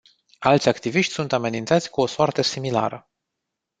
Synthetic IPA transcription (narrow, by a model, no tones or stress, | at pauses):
alt̪sʲakt̪iviʃt̪ʲsunt̪ame̞nint̪sat̪sʲkuo̞soart̪esimila̰ɾə